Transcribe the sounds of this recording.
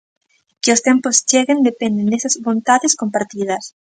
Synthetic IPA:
keost̪empost͡ʃeɣend̪epend̪end̪esazβõnt̪aðeskompaɾt̪iðas

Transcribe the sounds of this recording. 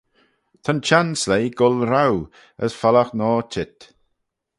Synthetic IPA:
t̪ʰant͡ʃanslejɡʊlɾaw | ə̰sfalaxnɔːtʰɪt̪

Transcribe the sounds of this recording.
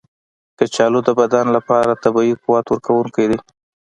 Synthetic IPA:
d̪̥ət͡ʃɑlod̪d̪ːəbad̪anlapɑɾat̪abɑiquwɑt̪waɾkawuŋkajd̪e

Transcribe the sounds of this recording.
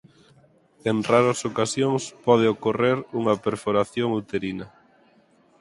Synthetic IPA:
enraɾɐsokasjoŋspɔðɪokoreɾuŋɐpeɾfoɾaθjoŋut̪eɾinɐ

